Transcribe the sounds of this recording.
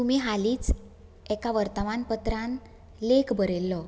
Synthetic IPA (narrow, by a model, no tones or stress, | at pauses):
t̪um̤iːɦaliːt͡s | ɛkaʋəɾt̪əmanpət̪ɾan | lekbʱəɾelːɔ